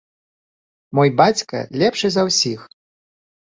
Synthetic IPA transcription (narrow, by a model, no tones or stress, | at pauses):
mɔjbat͡sʲkɐ̰lʲɛpʂɨzɐwsʲix